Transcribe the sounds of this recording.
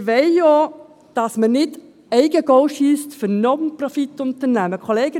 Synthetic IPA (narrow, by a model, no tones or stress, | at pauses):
ʋɛɪjo | d̥ɑsmənɪt | ɛɪɡəɡ̥ɔʊʃyːstfʏɾnɔnprɔfit̪ʊnt̪əɾnæməkʰoɔleːɡə